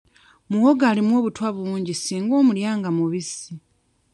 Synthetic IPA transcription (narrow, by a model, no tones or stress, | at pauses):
muwoɡaːlimwo̞ːβutwaβuuːɲɟisiːŋɡo̞ːmuljaːŋɡamuβisi